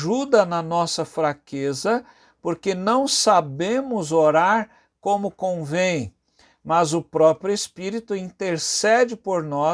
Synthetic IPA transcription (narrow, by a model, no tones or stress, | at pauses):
ʒud̪ɐnɐnɔsɐfɾakezɐ | poɾkenɐ̃w̃sabẽmʊzoɾaɾ | kõmʊkõvẽj̃ | mɐzʊpɾɔpɾjʊespiɾit̪ʊĩnt̪eɾsɛd͡ʒɪpoɾnɔ